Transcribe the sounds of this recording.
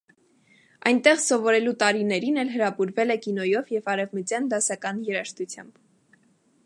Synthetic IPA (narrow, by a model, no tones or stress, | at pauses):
ɑ̰jnt̪ɛʁsɔvɔɾɛlut̪ɑɾinɛɾinɛlɦəɾɑpuɾvɛlɛkinɔjɔvjɛvɑɾɛvmət͡sjɑnd̪ɑsɑkɑnjɛɾɑʃt̪ut͡sʰjɑ̰mb̥